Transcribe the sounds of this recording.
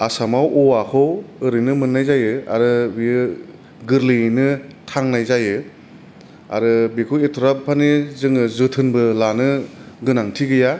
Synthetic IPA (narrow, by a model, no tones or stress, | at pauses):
asamawɔwakʰɯwɯɾɯjnɯmɯnːajzajɯa̰ɾɯbiɯ | ɡɯɾlinɯtʰaŋnajzajɯ | a̰ɾɯbikʰɯwetʰɔɾap̚pʰanizɯŋɯzɯtʰɯnbɯlanɯɡɯnaŋtʰiɡɯja